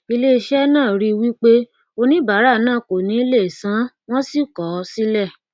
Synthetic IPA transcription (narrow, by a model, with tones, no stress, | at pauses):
i˧le˦˧ʃɛ˦nãː˦˨ɾi˦˧wi˦k͡pe˦ | o˧nĩ˦ba˨˦ɾa˦˨nãː˦˨ko˨nĩ˨˦i˦le˦˨sã˨˦ | w̃ɔ̃˦si˦˨kɔ˨˦si˦lɛ˦˨